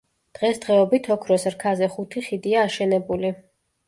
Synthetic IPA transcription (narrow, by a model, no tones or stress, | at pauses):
d̪̥ʁɛsd̪̥ʁɛɔbit̪ʰɔkʰɾɔsɾkʰazɛχut̪ʰiχid̪iaːʃɛnɛbuli